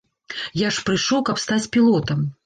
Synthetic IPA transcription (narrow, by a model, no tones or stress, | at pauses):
jaʂpɾɨʂɔwkɐpst̪at͡sʲpʲilˠɔt̪ɐm